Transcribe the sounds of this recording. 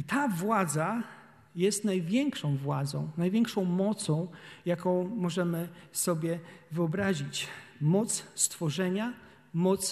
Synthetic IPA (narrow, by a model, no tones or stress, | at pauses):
it̪avwad̪za | jɛst̪najvʲjɛŋkʂɔ̃w̃vwad̪zɔ̰̃w̃najvʲjɛŋkʂɔ̃w̃mɔt̪sɔ̃w̃jakɔ̃w̃mɔʐɛmɘsɔbʲjɛvɘɔbɾaʑit͡ɕmɔt̪sst̪fɔʐɛɲa | mɔt̪s